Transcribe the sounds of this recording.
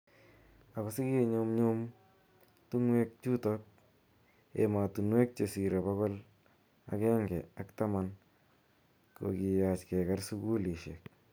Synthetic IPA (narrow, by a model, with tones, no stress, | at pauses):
a˨kɔ˨sɪ˦ki˦˨ɲo˦mɲʊ˦m | tu˦ŋwe˦k̚t͡ʃu˦tɔ˦k̚ | ḛ˨ma˨tu˨nwe˦k̚t͡ʃe˨si˨ɾe˨ba˦kɔ˦l | a̰˨kɛː˦ŋɡɛ˨a˨kta˦ma˦n | ko̰˨ki˨ja˨t͡ʃkɛ˨ka˦rsu˦ku˦li˨ʃḛ˨k̚